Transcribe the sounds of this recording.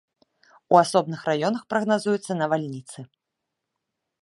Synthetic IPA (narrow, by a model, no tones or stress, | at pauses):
uasɔbnɨxrajɔnɐxpɾɐɣnazujut̪sːɐnɐvalʲnʲit̪sɨ